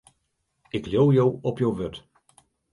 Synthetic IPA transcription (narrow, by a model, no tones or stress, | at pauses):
ʔɪkljowjowɔpjowʋøt